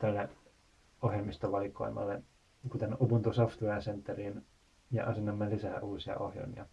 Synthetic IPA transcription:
t̪ælːe | ohjɑmːist̪oʋɑlikːˑo̰imːˑɑ̰lːe | kut̪enupunt̪usoft̪uæsent̪ːeriːn | jɑ̰ʔɑsenːɑmːelisæːʔuːsiɑ̰o̰hjo̰nḭɑ

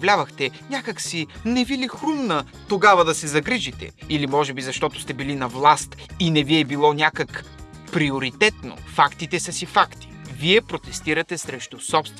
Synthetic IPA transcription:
vlʲavɐxt̪ɛnʲakəksinɛvilixɾumnə | t̪oɡavɐd̪ɐsɛzɐɡɾiʒit̪ɛ̰ilimɔʒɛbizɐʃt̪ɔt̪ʊ̥st̪ɛbilinɐvlˠast̪inɛviɛbilˠɔnʲjakək | pɾioɾit̪ɛt̪no̰fakt̪it̪ɛsɐsifakt̪i̥viɛpɾot̪ɛst̪iɾɐt̪ɛsɾɛʃt̪ʊsɔpst̪v

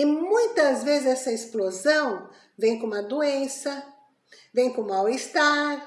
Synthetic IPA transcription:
ɪmũj̃t̪ɐzvezɪzɛsɐesplozɐ̃w̃ | vẽj̃kõũmɐd̪uẽsɐ | vẽj̃kõmawɪst̪aɾ

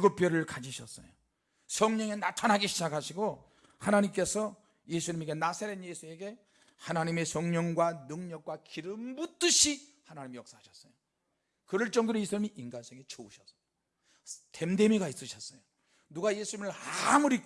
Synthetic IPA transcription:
ɡɯp͈jʌɾɯɭkad͡ʑiɕʰʌs͈ʌ̰jo | sʰʌŋɲʌŋe̞natʰanɦaɡiɕʰid͡ʑakʰaɕʰiɡo | hanaɲimk͈e̞sʰʌ | je̞sʰuɲimeɡe̞nasʰaɾenjesʰue̞ɡe̞ | hanaɲime̞sʰʌŋɲʌŋɡwanɯŋɲʌk̚k͈wakiɾɯmbut͈ɯɕʰihanaɲimijʌk̚s͈aɦaɕʰʌs͈ʌjo | kɯɾɯɭt͡ɕ͈ʌŋdoɾojesʰuɲimiʔinɡans͈ʰʌŋet͡ɕouɕʰʌs͈ʌ̥ | te̞mde̞miɡais͈ɯɕʰʌs͈ʌjo | nuɡaje̞sʰuɲimɯɭamuɾik

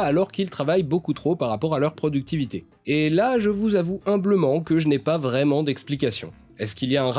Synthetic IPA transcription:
alɔʁkilt̪χavajbokut̪χopaʁapɔʁalœʁpχɔd̪yk̚t̪ivit̪e | elaʒəvuzavuɛ̃bləmɑ̃kəʒənɛpavʁɛmɑ̃d̪ɛksplikasjɔ̰̃ | ɛskiliaɛ̃ʁ

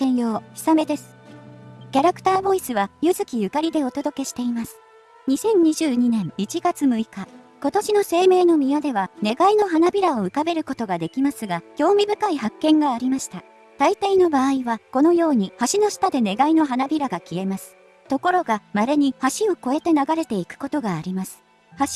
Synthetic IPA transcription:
ẽ̞ɰ̃jo̞ːçi̥same̞d̪e̞sɨ̥ | kʲaɾakɯ̟̥t̪aːbo̞isɨβajɯzɨkʲijɯ̟kaɾʲid̪e̞o̞t̪o̞d̪o̞ke̞ɕi̥t̪e̞imasɨ̥ | ɲ̟isẽ̞ɲ̟ɲiʑɨːɲ̟inẽ̞ŋit͡ɕiɡat͡sɨmɯ̟ika | ko̞t̪o̞ɕino̞se̞ːme̞ːno̞mʲiad̪e̞βane̞ɡaino̞ɦanabʲiɾao̞ɯ̟kabe̞ɾɯ̟ko̞t̪o̞ɡad̪e̞kʲimasɨɡaɡʲo̞ːmʲibɯ̟kaiɦakːẽ̞ŋɡaːɾʲimaɕi̥t̪a | t̪ait̪aino̞baːiβako̞no̞jo̞ːɲ̟ihaɕino̞sɨ̥t̪ad̪e̞ne̞ɡaino̞ɦanabʲiɾaɡakʲie̞masɨ̥ | t̪o̞ko̞ɾo̞ɡamaɾeɲ̟ihaɕio̞ko̞e̞t̪e̞naɡaɾe̞t̪e̞ikɯ̟̥ko̞t̪o̞ɡaːɾʲimasɨ̥ | haɕ

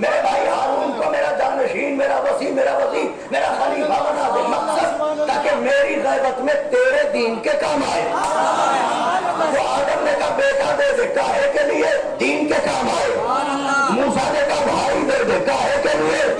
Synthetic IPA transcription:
meːɾebʱaːiaːɾuːnkomeːɾad͡ʒaːnəʃiːnmeːɾaʋɐsiːmeːɾaʋɐsiː | meːɾasɐlibʱaʋənaːd̪emɐksəd̪t̪aːkemeːɾiɣɛːʋət̪mẽt̪eːɾed̪iːnkekaːmaːeː | ʋʋoaːd̪əmneːkabeːkaɾd̪eːd̪eːkaːekelie | d̪iːnkekaːmaːeː | mũːsanekabʱaːid̪eːd̪ekaːekelie

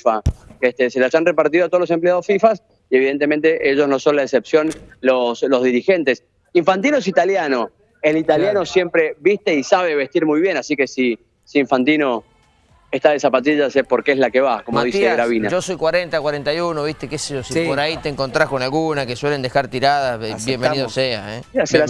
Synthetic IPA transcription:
faeht̪eselaʒanrepaɾt̪iðoat̪oolose̞mpleað̞osfifas | ieβ̞iðe̞nt̪ement̪eʔeʒosno̞so̞nlaesepsjo̞nloslo̞zðiɾixe̞nt̪e̞s | iɱfant̪̬inoes̬it̪aljano̞ | elit̪aljano̞sje̞mpɾeβiht̪e̞isaβ̞eβe̞ht̪iɾmujβje̞nasike̞si | siːɱfant̪ino̞ | eht̪aðesapat̪̬iʒasepoɾkeeslakeβakomoðit̪sieɾaβinaʒoso̞jkwaɾent̪akwaɾent̪ajunoβ̞iht̪ekeseosipoɾait̪eŋko̞nt̪ɾasko̞nalɣunakeswe̞le̞nd̪exaɾt̪iɾaðaβjembeniðosea̰ḛs

